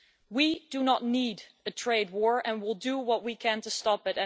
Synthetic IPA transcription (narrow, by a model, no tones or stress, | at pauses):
widɨnətⁿnid | ɨtʰɹ̥eɪd̚wɔɹɨ̃nwɪlˠdəwʌt̚wikʰɨ̃ntɨstɑpɨɾɨ̃